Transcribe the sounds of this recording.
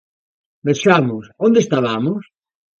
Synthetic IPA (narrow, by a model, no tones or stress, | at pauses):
beʃamʊsond̪est̪aβamʊs